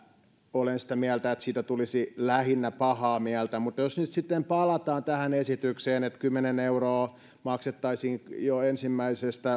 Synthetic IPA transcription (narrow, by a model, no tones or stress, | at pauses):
olensi̥t̪æmiælt̪æet̪siːt̪æt̪ulisilæhinːæpɑhɑːmiælt̪æmut̪josnyt̪sit̪ːempɑlɑt̪ɑːnt̪æhænesit̪ykseːnet̪kymːeneneuroː | mɑkset̪ːɑisiːŋjoensimːæisest̪æ